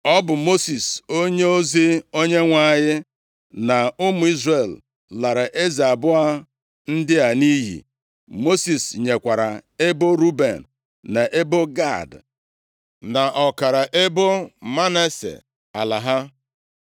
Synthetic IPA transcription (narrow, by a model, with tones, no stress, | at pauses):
ɔ˦bʊ˨mo˦si˨so˦ɲe˦o˦zi˦o˦ɲe˦ŋʷa˦˨ɲɪ˦ | na˨ʊ˦mʊ˨˦i˦zre˨l | la˨ɾa˨ʔe˦za˨bʊ˦a˦ | n̩˦dɪ˦a˨ni˦ɦḭ˨ | mo˦si˨sɲe˨kʷa˨ɾa˨e˦bo˦ɾu˦bḛ˨nː | a˨ʔe˦bo˦ɡa˦˨d | na˨ʔɔ˨ka˨ɾa˨ʔe˦bo˦ma˦ne˦sḛ˨ | a̰˨la˨ɦa˦